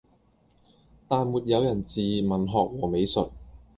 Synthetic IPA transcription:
t̪aː˨nmuː˨˩t̚jɐ˨˧wjɐ˨˩nt͡siː˨mɐ˨˩nɦɔː˨k̚wɔː˨˩me˨˧jsɵ˨t̚

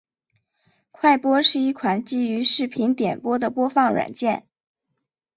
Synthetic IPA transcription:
kʰwa˥˩ɪpwɔ˥ʂɻ̩˥˧i˥˩kʰwa˨˩˦nt͡ɕi˥y˧˥ʂɻ̩˥˩pʰi˧˥nt̪jɛ˨˩npwɔ˥d̪ə˨pwɔ˥fɑ˥˩ŋɻwa̰˨˩nt͡ɕjɛ˥˩n

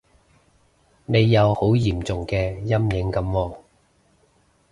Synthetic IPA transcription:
ne˨˧jːɐ˨˧who˨˥wjiː˨˩mt͡sʊ˨ŋkɛː˧jɐ˥mjɪ˨˥ŋkɐ˨˥mwɔː˧

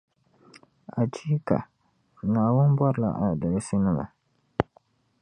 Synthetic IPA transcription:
a˨t͡ʃi˦ka̰˨ | naː˨wʊ˦nbwɔ˦ɾla̰˨ʔa̰˨na˨da˨lɪ˦sɪ˦nɨ˦ma̰˨

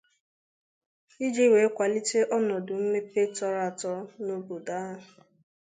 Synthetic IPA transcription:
i˦d͡ʒe˦we˨˦kʷa˨li˦te˦ʔɔ˦nɔ˨dʊ˨m̩˦me˦pe˦tɔ˦ɾa˨tɔ˦no˦bu˨daː˦

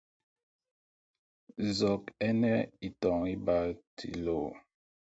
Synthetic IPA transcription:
zɔ˨kɛ˦nɛ˦i˨tɔ˨ŋi˦ba˦tʰḭ˨lo˨

